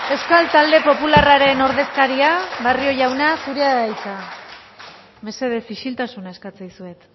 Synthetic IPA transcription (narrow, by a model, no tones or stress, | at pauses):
e̞skalt̪ald̪e̞po̞pularaɾe̞no̞ɾðe̞skaɾiaβario̞ʝawnasuɾeaðajt͡sa | me̞se̞ð̞e̞fiʃilt̪asunae̞skat͡sajsue̞t̪